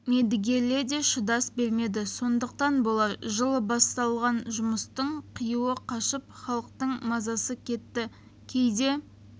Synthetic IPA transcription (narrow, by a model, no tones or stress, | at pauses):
med̪ɪɡʲe̞le̞d̪e̞ʃʊd̪ɑsbe̞lme̞d̪ɪso̞nd̪əq̚t̪ɑnbo̞lˠɑɾʒəlˠəbɑst̪ɑlˠʁɑnʒʊməst̪əɴqʰəjuwəqʰɑʃəp̚χɑlˠəq̚t̪əɴmɑzɑsəkʲʰe̞t̪ːɪ | kʲʰejd̪e̞